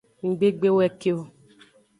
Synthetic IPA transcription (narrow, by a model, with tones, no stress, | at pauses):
ŋ̩˨ɡ͡be˦ɡ͡be˦wɛ˦ke˦o˦˨